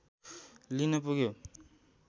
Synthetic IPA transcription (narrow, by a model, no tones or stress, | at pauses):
linʌpuɡjo